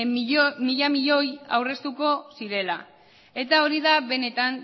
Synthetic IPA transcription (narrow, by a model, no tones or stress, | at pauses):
miʎamiʎo̞ja̰wre̞st̪uko̞siɾe̞la | e̞t̪ao̞ɾiðaβe̞ne̞t̪an